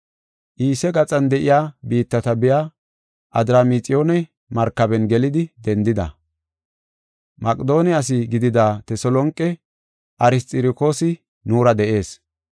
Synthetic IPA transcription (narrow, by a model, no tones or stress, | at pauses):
ʔiːsɛɡɐt͡sʼɐnd̪ɛʔɪjaːbiːt̪ːɐt̪ɐbɪjaː | ʔɐd̪ɾamit͡sʼɪjo̞ːnɛ | mɐɾkːɐbɛnɡɛlɪd̪ɪd̪ɛnd̪ɪd̪ɐ̰ | mɐkʼd̪o̞ːnɪɐs̬ɪɡɪd̪ɪd̪aːt̪ɛsɔlɔŋkʼːɛ | ʔɐɾɪst̪ʼɪɾɪko̞ːsɪ | nuːɾɐd̪ɛʔe̞ːs